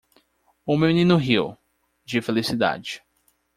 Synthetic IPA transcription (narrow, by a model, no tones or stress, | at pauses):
ʊmewminĩnʊɦiw | d͡ʒɪfelisid̪a̰d͡ʒɪ